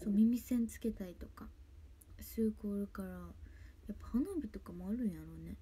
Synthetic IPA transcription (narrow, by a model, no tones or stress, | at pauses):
so̞ːmʲimʲisẽnt͡sɨ̥ke̞t̪aɾʲit̪o̞ka | sɨːkoːɾɯ̟kaɾajapːḁhanoːbʲit̪o̞kamoaɾɯ̟̃jaɾo̞ne̞